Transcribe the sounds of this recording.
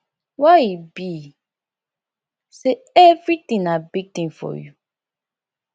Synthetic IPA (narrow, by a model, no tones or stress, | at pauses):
waibi | se | ɛvɹitĩnabiɡ̚tĩnfɔ̰ju